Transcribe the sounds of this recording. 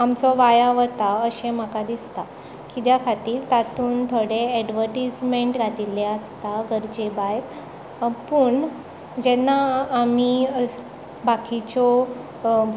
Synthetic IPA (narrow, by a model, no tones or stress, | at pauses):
amt͡sɔʋajaʋət̪aəɕẽm̤əkad̪ist̪a | kid̪jakʰat̪iːɾt̪at̪uːnt̪ʰoɽeɛɖʋəɾʈismeɳʈɾat̪ileəst̪aɡʱəɾd͡ʑebajɾ | pəːɳ | d͡ʑɛnːaːmi | bakit͡ɕɔ